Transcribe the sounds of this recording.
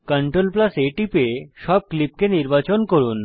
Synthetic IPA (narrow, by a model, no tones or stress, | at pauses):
kəɳʈɾolplaseʈipeʃɔb̚klip̚keniɾbat͡ɕonkoɾun